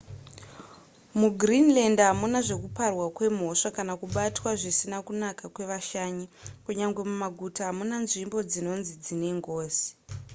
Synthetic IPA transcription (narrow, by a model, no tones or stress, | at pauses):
muɡrinlandɦamunaʐe̞kuparwakwe̞m̤o̞ʂakanakuɓatwaʐisinakunakakwe̞ʋaʃaɲikuɲaŋɡwe̞mumaɡʱutaɦamunanʐimbo̞d͡zino̞nzid͡zine̞ŋɡoːzi̥